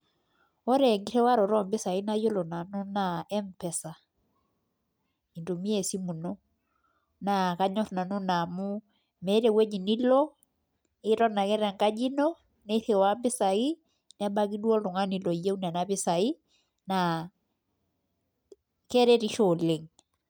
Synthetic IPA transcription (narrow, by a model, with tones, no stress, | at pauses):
ɔ˦ɾɛ˨ŋɡi˦ɾɛ˦wa˦ɾɔ˨ɾɔ˦˨mbɪ˦sa˨i˦na˦jo˦lɔ˨na˨no˦na˨ɛ˦mpɛ˨sa˨ | i˨ndo˨mi˦ɛ˨si˦mu˨nɔ˦ | na˨ka˦ɲɔ˦ɾna˨no˦na˨mu˦ | mɛ˨˦ɾe˨wɛ˦ɲi˨ni˦lɔ˦ | ɪ˦ɾɔ˦na˨kɛ˦ɾɛ˨ŋka˦d͡ʒi˦nɔ˦ | nɛ˦θe˨wa˦mbɪ˦sa˨ɣi˦ | nɛ˦ɓa˦ki˦du˦ɔ˦lɔ˨ŋa˦ni˨lɔ˨i˨je˦u˦nɛ˨na˦βɪ˦sa˨i˦ | na˨ | kɛ˦ɾɛ˦ɾi˦ʃɔ˨le˨ŋ